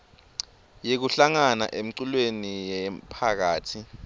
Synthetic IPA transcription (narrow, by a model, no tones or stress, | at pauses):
jek̬uɬaŋana̰ʔem̩ǀulwenijɛpʰak̬aːtʰi